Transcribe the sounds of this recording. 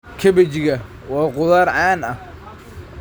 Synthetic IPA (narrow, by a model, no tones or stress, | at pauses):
kʰɐbɐt͡ʃɣɐ | wɑːqʊðaːɾʕɑːnɐh